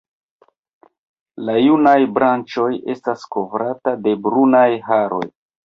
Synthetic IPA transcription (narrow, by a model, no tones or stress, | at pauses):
lajunajbɾant͡ʃo̞je̞stasko̞vɾatade̞bɾunajɦaɾo̞̰j